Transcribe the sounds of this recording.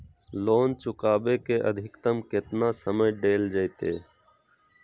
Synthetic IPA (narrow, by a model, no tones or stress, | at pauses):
loːnt͡ʃʊkaːbeːkeːʔə̰d̪ʱɪkt̪əmket̪nãːsəməjɖeːld͡ʒəjt̪eː